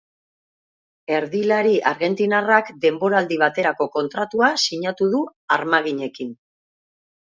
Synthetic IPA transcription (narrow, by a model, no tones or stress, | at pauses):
e̞ɾðilaɾiʔaɾɣe̞nt̪inarakd̪e̞mbo̞ɾald̪iβ̞at̪e̞ɾako̞ko̞nt̪ɾat̪uasiɲat̪uðuaɾmaɣ̞iɲe̞kin